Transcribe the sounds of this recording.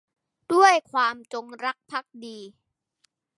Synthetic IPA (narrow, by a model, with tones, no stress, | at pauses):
d̥u˥˩əjkʰwaː˧mt͡ɕo˧ŋɾa˦˥k̚pʰa˦˥k̚diː˧